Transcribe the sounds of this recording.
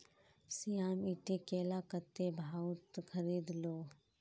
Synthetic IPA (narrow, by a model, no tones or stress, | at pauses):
sijaːmiʈekeːlakət̪ebʱaːut̪kʰəɾiːd̪loː